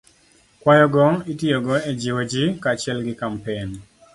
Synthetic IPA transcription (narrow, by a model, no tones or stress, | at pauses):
kwajɔɡɔitiɔɡɔed͡ʒiwod͡ʒikat͡ʃɪɛlɡɪkampen